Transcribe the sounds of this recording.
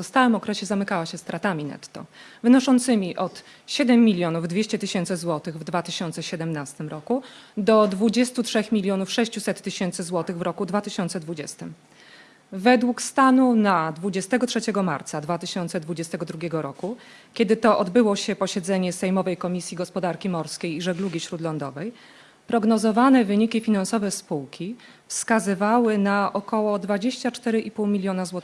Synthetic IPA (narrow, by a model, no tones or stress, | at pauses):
ɔst̪awɘmɔkɾɛɕɛzamɘkawaɕɛst̪ɾat̪amʲinɛ̰t̪ːɔ̰vɘnɔʂɔnt̪sɘmʲiʔɔt̪ | ɕɛd̪ɛmːʲilʲjɔnuvd̪vʲeɕt͡ɕɛt̪ɘɕɛnt̪sɘzwɔt̪ɘɣvd̪vat̪ɘɕɔnt̪sɛɕɛd̪ɛmnast̪ɘmɾɔkud̪ɔd̪vud͡ʑɛst̪utʂɛxmʲilʲjɔnufʂɛɕt͡ɕusɛt̪ːɘɕɛnt̪sɘzwɔt̪ɘɣvɾɔkud̪vat̪ɘɕɔnt̪sɛd̪vud͡ʑɛst̪ɘm | vɛd̪wukst̪anunad̪vud͡ʑɛst̪ɛɡɔtʂɛt͡ɕɛɡɔma̰ɾt̪sad̪vat̪ɘɕɔnt̪sɛd̪vud͡ʑɛst̪ɛɡɔd̪ɾuɡʲɛɡɔɾɔku | kʲɛd̪ɘt̪ɔʔɔd̪bɘwɔɕɛpɔɕɛd̪zɛɲɛsɛjmɔvɛjkɔmʲisʲjiɡɔspɔd̪aɾkʲimɔɾskʲejiʐɛɡluɡʲiɕɾud̪lɔnd̪ɔ̰vɛj | pɾɔɡnɔzɔvanɛvɘɲikʲifʲinansɔvɛspuwkʲʰi | fskazɘvawɘnaʔɔkɔwɔd̪vad͡ʑeɕt͡ɕat͡ʂt̪ɛɾɘʔipuwmʲilʲjɔnazwɔt̪